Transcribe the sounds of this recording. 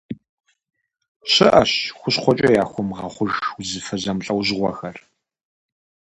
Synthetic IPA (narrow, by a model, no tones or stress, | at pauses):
ɕɪʔɐɕxʷʊɕqʷɔt͡ʃʼɐjaːxʷɔmʁɐχʷʊʒwzɨfɐzɐmɬʼɐwʑʁʷɔxɐr